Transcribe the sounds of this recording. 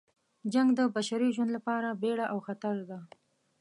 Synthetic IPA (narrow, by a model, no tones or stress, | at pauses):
d͡ʒaŋɡd̪əbaʃaɾiʒwand̪lapɑɾabeɽaʔawxat̪aɾd̪a